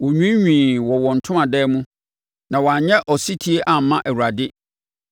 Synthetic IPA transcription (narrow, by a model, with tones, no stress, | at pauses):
wɔ˨ɲᶣũ˦ɲᶣĩː˨wɔ˨wɔ˨n̩˨tʰʊ̃˦mã˨dɛː˦mũ˦ | nã˨wɔ˨a˨ɲɛ̃˦ʔɔ˨si˦tʰi˨˦e˦ʔã˨m̩˨˦mã˦ʔɛ˨wu˨ɾa˨dɪ˦